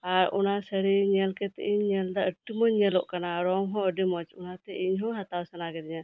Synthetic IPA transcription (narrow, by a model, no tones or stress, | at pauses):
aɾɔ̰nasəɾiɲɛlkɛt̪ɛ̰ʔiɲɲɛld̪aəʈːimɔɲɲɛlɔʔkanaɾɔŋɦɔ̃əɖimɔt͡ʃɔnat̪ɛiɲɦɔ̃ɦat̪awsənaɡɛd̪ɲa